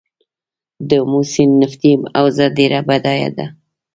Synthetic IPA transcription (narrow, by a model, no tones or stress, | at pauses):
d̪əmusinːɪft̪ima̰wzad̪eɾabad̪ɑja̰d̪a̰